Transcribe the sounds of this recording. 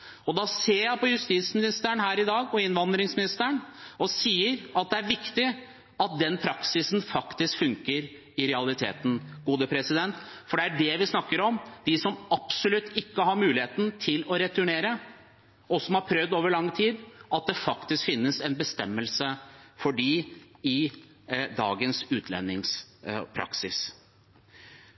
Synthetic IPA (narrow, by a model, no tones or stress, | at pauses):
ɔd̪ɑːseːɾjæɪpɔjʉst̪iːt̪smɪnɪst̪əɳhæːɾɪd̪ɑːɡɔɪnʋɑnd̪ɾɪŋsmɪnɪst̪əɳɔsiːəɾɑt̪̚d̪ɛæɾʋɪkt̪ɪ | ɑt̪̚d̪ɛnpʰɾɑksɪsn̩fɑkt̪ɪskfʉŋkəɾ | ɪɾɛɑlɪt̪ʰḛːt̪n̩ɡuːd̪əpʰɾɛsɪd̪ɛnt̪fɔɖɛæɖɛʋɪsnɑkːəɾɔmd̪̥ɪsɔmɑpsɔlʉt̪ːɪkːəhɑɾmʉːlɪheːt̪n̩t̪ʰɪlɔɾɛt̪ʰʉɳeːɾə | ɔsɔmhɑɾpʰɾœvd̪oːʋəɭɑŋːt̪ʰiːd̪ɑt̪̚d̪ɛfɑkt̪ɪskfɪnːəsɛnbəst̪ɛmːəlsəfɔɖiɪ | d̪ɑ̰ːɡənsʉːt̪ʰlɛ̰nːɪŋspʰɾɑ̰ksɪs